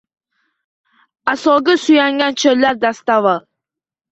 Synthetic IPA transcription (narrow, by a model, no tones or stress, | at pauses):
asɒɡasyjaŋɡʲant͡ʃʰɵɾlːaɾd̪ast̪ava